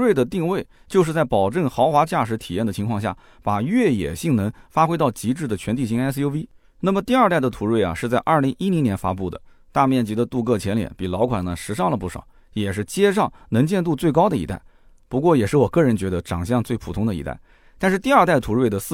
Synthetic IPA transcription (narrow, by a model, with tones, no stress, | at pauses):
we˥˩ɪd̪ə˩t̪i˥˧ŋwe˥˧ɪ | t͡ɕjo˥˧ʊʂɻ̩˥˧t͡sa˥˩ɪpɑ˨˩ʊʈ͡ʂə˥˩ŋxɑ˧˥ʊxwa˧˥t͡ɕja˥˩ʂ̬ɻ̩˧˥t̪ʰi˨˩jɛ˥˩nd̪ə˩t͡ɕʰi˧˥kʰwɑ˥˧ŋɕja˥˩ | pa˨˩ɥɛ˥˩jɛ̰˨˩ɕi˥˩ŋnɤ˧˥ŋfa˥xwe˥ɪt̪ɑ˥˩ʊt͡ɕi˧˥ʈ͡ʂɻ̩˥˩d̪ə˩t͡ɕʰɥɛ˧˥nt̪ʰi˨˩ɕi˧˥ŋa˥s̬jo˥ʊi˥ | na˥˩mə˩t̪i˥˧ɐ˞˥˧t̪a˥˩ɪd̪ə˩t̪ʰu˧˥ɻwe˥˩ɪɐ̰˩ʂɻ̩˥˧t͡sa˥˧ɪʔɐ˞˥˩li˧˥ŋʔi˥li˧˥njɛ˧˥nfa̰˥pu˥˩d̪ə̰˩ | t̪a˥˧mjɛ˥˩nt͡ɕi˧˥d̪ə˧t̪u˥˧kɤ˥˩t͡ɕʰjɛ˧˥nljɛ̰˨˧˥npi˨˩lɑ˧˥ʊkʰwa˨˩nnə˦ʂɻ̩˧˥ʂɑ˥˩ŋlə˩pu˥˩ʂɑ̰˨˩˦ʊ | jɛ˨˩ʂɻ̩˥˩t͡ɕjɛ˥ʂ̬ɑ˥˩ŋnɤ˧˥ŋt͡ɕjɛ˥˧nt̪u˥˧t͡swe˥˩ɪkɑ˥ʊd̪ə˨ḭ˧˥t̪a̰˥˩ɪ | pu˧˥kwɔ˥˩jɛ˨˩ʂɻ̩˥˩wɔ˨˩kɤ˥˩ɻə˧˥nt͡ɕɥɛ˧˥d̪ə˧ʈ͡ʂɑ˨˩ŋɕ̬jɑ˥˧ŋt͡swe˥˩ɪpʰu˨˩t̪ʰʊ˥ŋd̪ə˧ḭ˧˥t̪a̰˥˩ɪ | t̪a˥˧nʂɻ̩˥˧t̪i˥˧ɐ˞˥˧t̪a˥˩ɪt̪ʰu˧˥ɻwe˥˩ɪd̪ə˩s